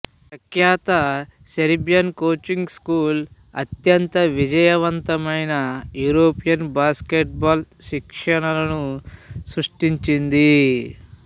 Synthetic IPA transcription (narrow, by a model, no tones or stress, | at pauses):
sɐkjaːt̪ɐseɾibjɐnkoːt͡ʃiŋɡskuːl | ɐ̰t̪jɐnt̪ɐʋid͡ʒɐjɐʋɐnt̪ɐmɐjnɐjuːɾoːpijɐnbaːskeʈ̚baːlʃikʂɐɳɐlɐnusɾuʂʈiɲt͡ʃind̪i